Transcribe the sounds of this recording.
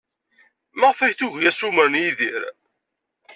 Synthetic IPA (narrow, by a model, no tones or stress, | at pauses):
məʁfæçθuʝjæsuməɾnjiðiɾ